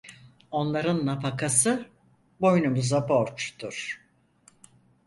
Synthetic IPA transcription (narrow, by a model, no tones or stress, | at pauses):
o̞nlˠaɾɯnːapʰakʰasɯ | bo̞jnumuzapoɾt͡ʃt̪uɾ̥